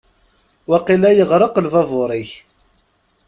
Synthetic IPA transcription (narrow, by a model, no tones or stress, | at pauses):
wæqilæjəʁɾˤəqəlvɑvʊɾˤiç